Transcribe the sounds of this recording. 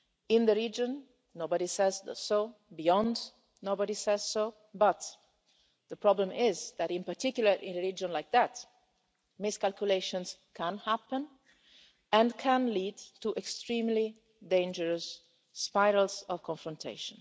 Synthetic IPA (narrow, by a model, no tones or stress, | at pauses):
ɪ̃nd̪əɹid͡ʒə̃nː | oʊbəɾisɛzðsobiɔ̃nd | nobədisɛz̥soʊ | bʌt̪ | ðəpɹɔblə̃mɪzðæɾɪ̃npəɹtikjuləɹʔɪ̰̃nəɹid͡ʒɔ̃nlaɪk̚ðæt̪ | mɪskalkjuleɪʃɔ̃nskʰæ̃nhæpə̃n | ɛ̃nkʰæ̃nlidtuʔɛkstɹĩːmli | dẽnd͡ʒəɹəsː | paɪɾəl̩sɔv̥kʰɔ̃ɱfɹɔ̃ntʰḛɪʃə̃n